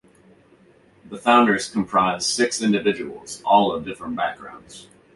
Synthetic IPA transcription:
ðəfãʊ̃ndə˞z̥kʰə̃m̩pʰɹ̥aɪz̥sɪksɪ̃ndɨvɪd͡ʒɨwl̩ˠz̥ɔlˠʌvdɪfɹə̃nb̥æk̚ɡ̥ɹã̰ʊ̃ndz̥

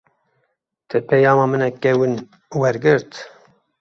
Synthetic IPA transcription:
t̪ʰɛpʰɛjɑːmɑːmɨnɛkːɛwɨn | wɛɾɡɨɾt̪

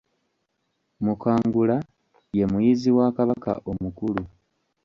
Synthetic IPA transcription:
mukaːŋɡula | je̞mujiziwaːkaβaka̰ʔo̞mukulu

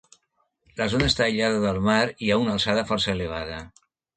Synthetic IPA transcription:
ləzonaest̪aeʎaðəðəlˠmaɾiaunəlˠsaðəfɔɾsəeleβ̞aðə

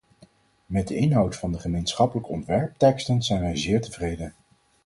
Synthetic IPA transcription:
mɛd̚dəɪnɦɑwtfɑndəχəmejnsχɑpələkəɔ̰ntʋɛɹp̚tɛkstənzɛjnʋɛjzɪːɹtəvrejdən

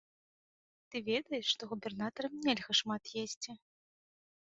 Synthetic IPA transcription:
t̪ɨvʲed̪ɐjɛʂʂt̪ɔɣubʲɛrnat̪ɐɾɐmnʲɛlʲɣɐʂmat̪jesʲt͡sʲi

